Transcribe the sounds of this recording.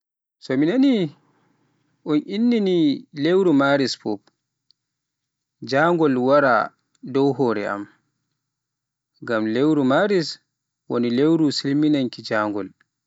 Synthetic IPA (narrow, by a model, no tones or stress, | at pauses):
sɔminani | ʔɔnʔinːinilewɾumaɾisfɔp | d͡ʒaŋɡɔlwaɾa̰ | dɔwɦɔːɾɛ̰a̰m | ɡamlewɾumaɾis | wɔ̰nilewɾusilminaŋkid͡ʒaːŋɡɔl